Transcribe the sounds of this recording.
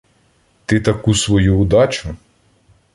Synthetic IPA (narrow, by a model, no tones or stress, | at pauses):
t̪ɪt̪ɐkusʋɔjuːd̪ɑt͡ʃʊ